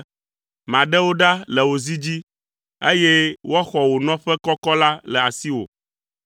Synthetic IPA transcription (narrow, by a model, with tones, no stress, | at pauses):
mã˨ɖɛ˦wo˦ɖa˦lɛ˨wo˨zi˦d͡ʑi˦ | e˦jɛ˦wa˦xɔ˨wo˨nɔ̃˦ɸɛ˦kɔ˦kɔ˦la˦lɛ˨a˨si˦wo̰˨